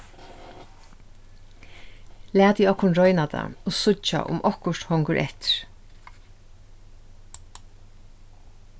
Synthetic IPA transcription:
læːt̪iɔkhʊnɾɔʏnat̪ʰa̰oːsʊt͡ʃa̰ʔʊ̰mʔɔkʊʂt̪hɔŋkʊɹʔɛht̪ɪ̥ɹ̥

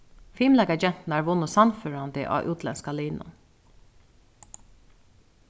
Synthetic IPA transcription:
fɪmlæɡɑd͡ʒɛnt̪n̩æːɹʋʊnʊsɑnføːɹɑnd̪ə̰ʔɑ̰ːʔʉːt̪ʰlɛnskɑliːnʊ̰n

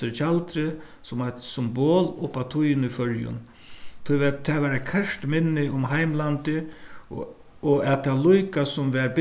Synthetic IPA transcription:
ɪɾt͡ʃʰalt̪ɾɪ | sʊmajt̪sʏmboːlʊpːat̪ʰʊjɪnʊfœɹjʊ̰n | t̪ʰʊjʋɛt̪ʰɛːʋaɾaɪkʰɛʂt̪mɪnːɪʊmɦajmlant̪ɪ | ɔɛt̪ʰɛalujkasʊmʋɛɾbɪ

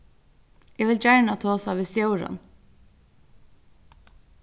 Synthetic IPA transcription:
ʔeʋɪld͡ʒæɹɳɑt̪ʰoːsɑʋɪst̪joʊɾɑ̰n

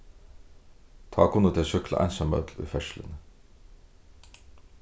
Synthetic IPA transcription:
t̪ʰɑ̰ːkʰʊnʊt̪ʰɪʃʏklə̰ʔɑ̰ɪnsɔmœ̰ːt̪ʰl̩ʉ̰ːfɛʃlə̰nə

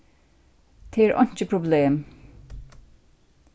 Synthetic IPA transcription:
t̪ʰeːɹʔɔ̰n̥t͡ʃəpʰɾ̥ʊbleːm

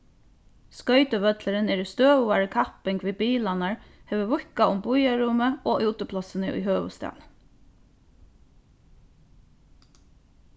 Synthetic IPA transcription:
skœʏt̪əʋœt̪ləɾənɛːɾist̪øːʋəʋɑːɹəkʰɑpɪŋɡʋiːbiːlanɑɹheːʋəʋʊkaʊmbʊjaɹʊməoːʔʉːt̪əpʰlɔsənəʔʊ̰jɦøːʋʊ̰st̪æ̰ːn

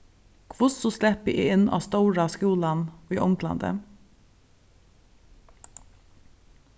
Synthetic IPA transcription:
kʰʋʊsoslɛpəʔḛɪnɑ̰ːst̪oʊɹɑskuːlɑniːʔʊŋklɑ̰nd̪ə̰

